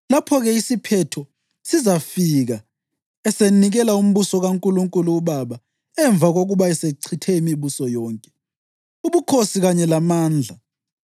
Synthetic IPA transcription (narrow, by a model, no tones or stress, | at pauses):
lapʰɔɣɛisipʰɛtʰɔ | sizafiɣa | ɛseniɣɛlaum̩ɓusɔɣaŋkʼuluŋkʼuluːɓaɓa | ɛɱb̪vʱaɣoɣuɓaɛseǀʰitʰɛimiɓusɔjɔːŋkʼɛ̥ | uɓukʰosiɣaɲɛlamaːnd͡ɮʱa